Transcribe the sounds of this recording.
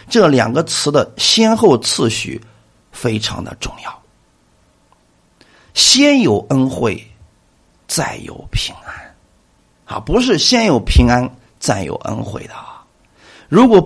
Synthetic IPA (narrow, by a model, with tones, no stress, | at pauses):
ʈ͡ʂɤ˥˩ljɑ̰˨˩ŋɡə˦t͡sʰɹ̩˧˥d̪ə˨ɕjɛ˥nxo˥˧ʊt͡sʰɹ̩˥˩ɕy̰˨˩ | fe˥ɪʈ͡ʂʰɑ̰˧˥ŋd̪ə̰˧ʈ͡ʂʊ˥˧ŋjɑ˥˩ʊ | ɕjɛ˥njo˨˩ʊʔə˥nxwe˥˩ɪ | t͡sa˥˩ɪjo̰˨˩ʊpʰi˧˥ŋa˥n | ɐ̰˨pu˧˥ʂ̬ɻ̩˥˩ɕjɛ˥njo˨˩ʊpʰi˧˥ŋa˥n | t͡sa˥˩ɪjo̰˨˩ʊʔə̰˥nxwḛ˥˩ɪd̪ə˩ɐ˩ | ɻu˧˥kwɔ˨˩